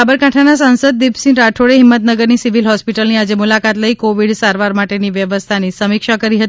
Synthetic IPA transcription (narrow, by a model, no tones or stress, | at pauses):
abəɾkãʈʰanasãnsəd̪̚ːibsĩnɾaʈʰoɭeɦɪmːət̪nəɡəɾnisiʋilɦɔspiʈəlniad͡ʒemulakat̪ləikoʋiɽsaɾʋaɾmaʈeniʋjəʋəst̪ʰanisəmikʃakəɾiɦət̪i